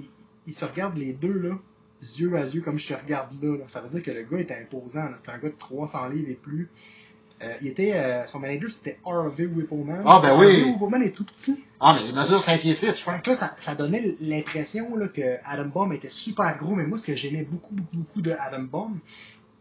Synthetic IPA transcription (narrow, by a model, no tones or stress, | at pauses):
i | ilsəʁəɡaʁd̪led̪ølɔ | zjøazjøkʌmʒət̪əʁəɡaʁd̪lʌd̪ɔ̃ksavød͡ziːʁkələɡʌet̪ɛɛ̃pozãləse̥t̪ɛɛ̃ɡʌd̪ət̪χwɑsɑ̃liːveply | øilet̪ɛøsɔ̃maned͡ʒə˞se̥t̪ɛɑɹveuwipomanabɛ̃wiewipomãnɛt̪upə̥t͡siamɛenəzyʁsɛ̃kjesɪsaklʌsasad̪ɔnɛlɛ̃pχɛsjɔ̃lɔkəad̪ambɔmet̪ɛsypɛːʁɡʁomɛmwasə̥kəʒɛmɛbokubokubokud̪əad̪ambɔm